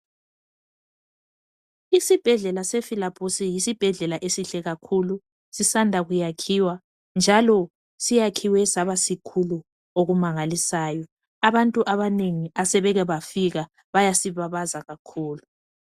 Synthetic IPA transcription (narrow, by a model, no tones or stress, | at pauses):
isib̥ʱɛɮɛlasɛfilapʰʼosijisib̥ʱɛɮɛlaʔesiɬɛɣakʰulu | sisandʱaɣujakʰiwa | nd͡ʒʱalɔ | sijakʰiwɛsaβasikʰulu | oɣumaŋalisaːjɔ | aβantʼuʔaβaneŋiasɛβɛɣɛβafiɣa | βajasiβaβazaɣakʰuːlu